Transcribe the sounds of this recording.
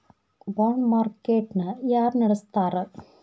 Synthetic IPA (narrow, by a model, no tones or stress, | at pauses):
boːnmaːɾkeːʈnɐjaːɾnɪɾɐst̪aːɾɐ